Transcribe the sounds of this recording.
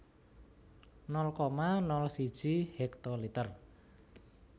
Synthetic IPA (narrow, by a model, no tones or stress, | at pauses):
nɔlkɔmanɔlsid̥ʒ̥ihɛk̚t̪ɔlit̪ər